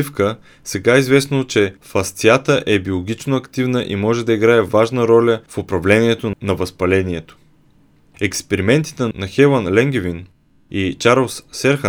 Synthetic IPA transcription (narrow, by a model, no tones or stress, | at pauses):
ifkə | sɛɡaizvɛsnot͡ʃɛfɐst̪iat̪əʔɛbiolˠoɡʲit͡ʃnoɐkt̪ivnəʔḭmɔʒɛd̪ɐiɡɾaɛvaʒnəɾɔlʲəfʊpɾɐvlɛnʲiɛt̪onɐvɐspɐlɛniɛt̪o̥ | ɛkspɛɾimɛnt̪i̥t̪ɛnɐxɛlənlɛŋɡ̟ʲɛvin | it͡ʃaɾlˠsːɛɾxə